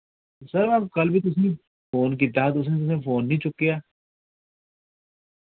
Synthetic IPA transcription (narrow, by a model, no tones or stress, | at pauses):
sɐɾʋaːkɐlbʱit̪ʊsnĩ | foːnk̬id̪aːd̪ʊs̬net̪ʊs̬ẽfoːnːĩt͡ʃʊkːijaː